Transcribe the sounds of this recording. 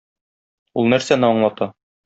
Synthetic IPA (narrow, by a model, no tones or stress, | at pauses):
ulˠnæɾsænɘɒɴlˠɑt̪ɑ